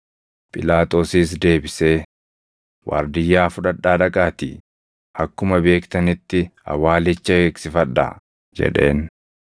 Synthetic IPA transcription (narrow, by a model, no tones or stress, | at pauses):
pʼɪlaːt̪ʼo̞ːsiːsd̪e̞ːbɪse̞ː | wʔa̰ːɾd̪ɪjːaːfʊᶑɐᶑːaːᶑɐkʼaːt̪ḭ | ʔɐkːʊmɐbe̞ːkt̪ɐnɪt̪ːɪɐ̰waːlɪt͡ʃːɐeːksɪfɐᶑːa̰ | d͡ʒɛ̰ᶑe̞̰ːn